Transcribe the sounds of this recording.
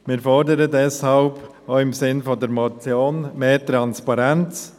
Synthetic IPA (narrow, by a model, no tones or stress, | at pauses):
mɪːɾfɔɾdəɾədɛshɑlb | oːɪmsɪnfɔdəɾmɔt͡sjoːnmeːtɾanspɑɾɛnt͡s